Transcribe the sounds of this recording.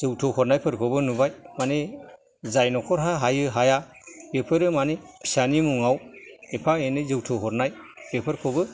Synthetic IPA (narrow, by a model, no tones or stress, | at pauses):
zɯwtʰɯhɔɾnajpʰɯɾkʰɔbɯnubajmane | zajnɔkʰɔɾɦaɦajɯɦaja | bepʰɯɾɯmane | pʰi̥sanimuŋawepʰaenɯzɯwtʰɯwɦɔɾnajb̥epʰɯɾkʰɔbɯ